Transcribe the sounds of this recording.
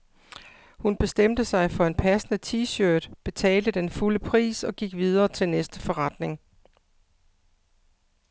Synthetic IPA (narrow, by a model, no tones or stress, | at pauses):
hunb̥e̝sd̥em̰d̥əsɑ̈ɪfɒ̽e̝npʰæsənət͡sʰiːɕøːd̥b̥e̝t͡sʰɛ̰ːld̥əd̥enfuləpʰʁḭːsɒ̽ɡ̥iɡ̥ʋið̞ˠɐːt͡sʰe̝lnesd̥əfɒ̽ʁɑ̈d̥ne̝ŋ